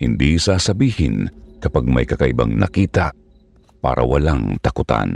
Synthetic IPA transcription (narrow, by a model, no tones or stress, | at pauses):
hɪnd̪isaːsɐbiːhɪnkɐpaɡ̚mɐ̰jkɐkaʔɪbaŋnɐ̰kiːt̪a | pa̰ːɾʔɐ̰wɐlaŋt̪ɐkʊt̪a̰n